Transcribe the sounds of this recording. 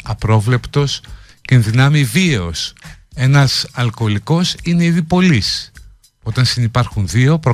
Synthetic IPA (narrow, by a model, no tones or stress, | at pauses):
ɐpɾo̞vle̞pt̪o̞s | cenðinɐmivieo̞se̞nɐsɐlko̞liko̞sine̞iðipo̞lis | o̞t̪ɐnsinipɐɾxunðio̞pɾo